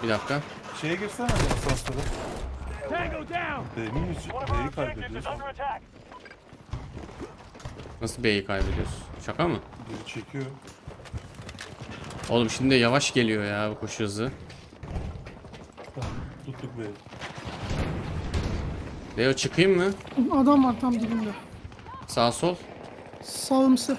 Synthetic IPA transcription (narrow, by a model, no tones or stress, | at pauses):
bid̪afkʰa | ʃejɛɟiɾsɛanisansaɾa | ɡodabemiysbejikʰajbed̪ijoɾ | nasɯlˠbiejikʰajbe̞d̪ijo̞ɾsunt͡ʃʰakʰamɯbiɾit͡ʃʰecʰijo | olˠumʃimd̪id̪ɛjavaʃɟe̞lʲijo̞jaːbkʰo̞ʃuhɯzɯ | t̪ʰut̪ˠuk̚beji | dejot͡ʃʰɯkʰɯjɯmːɯad̪amvaɾt̪ʰamɟibind̪ɛ | saːsolˠ | salˠɯmsɯ